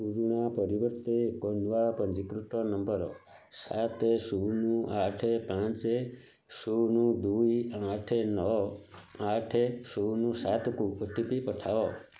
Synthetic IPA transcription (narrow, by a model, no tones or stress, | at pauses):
uɾuɽ̃apɔɾibɔɾt̪ekɔnʋapɔnd͡ʒikɾut̪ɔnɔmbəɾɔ̰ | sat̪esunuʔaʈʰepãt͡ʃe | sunud̪ujãʈʰenɔ | aʈʰesunusat̪ɔkuəʈʰipipɔʈʰaɔ